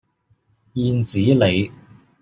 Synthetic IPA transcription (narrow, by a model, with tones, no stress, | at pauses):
jiː˧nt͡siː˨˥le˨˧j